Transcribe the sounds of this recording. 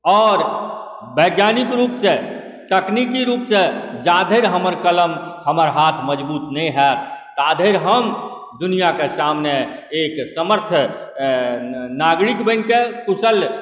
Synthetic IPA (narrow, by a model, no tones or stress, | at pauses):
ɔːɾ | bəɡjaːnɪkɾuːpse | t̪əknikiɾuːpsed͡ʒaːd̪ʱeɾɦəməɾkələmhəməɾɦat̪ʰməd͡ʒbuːt̪nəĩɦɛt̪t̪aːd̪ʱeɾɦəm | d̪ʊnijakesaːmneeːksəməɾt̪ʰ | naɡɾikbənkekʊsəl